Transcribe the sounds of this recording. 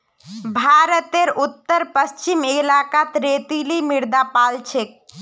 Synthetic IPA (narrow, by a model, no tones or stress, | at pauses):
bʱaɾət̪eɾut̪ːəɾpəst͡ʃimelakat̪ɾet̪ilimiɾd̪apalt͡ʃʰek̚